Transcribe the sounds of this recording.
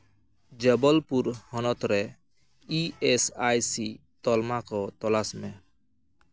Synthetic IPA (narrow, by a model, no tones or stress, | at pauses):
d͡ʒəbɔlpuɾhɔnɔt̪ɾɛ | iesajsi | t̪ɔlmakɔt̪ɔlasmɛ̃